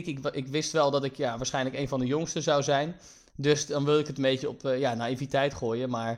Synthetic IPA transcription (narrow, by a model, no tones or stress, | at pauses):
kɪkɪkʋɪstʋɛlˠdɔtɪkjaʋaːsχɛjnləkeːjnvɔndəjʊŋstəzawzɛjn | døsdɔnʋɪlˠdɪkətəmbejtəɔpjanaivitɛjtχoːjəmaːɹ